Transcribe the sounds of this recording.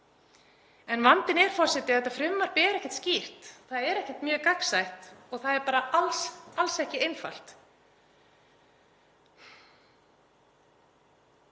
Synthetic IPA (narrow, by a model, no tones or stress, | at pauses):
ɛnvant̪ɪnɛɾ̥fɔr̥sɪt̪ɪaθɛt̪ːafɾʏmːaɾ̥pɪɛɾɛhcːɛ̥ht̪scir̥t̪θaðɛɾɛhcɛt̪mjœːkaksajht̪ɔɣθaðɛɾpaːɾaalsalsɛhcɪejnfa̰l̥t̪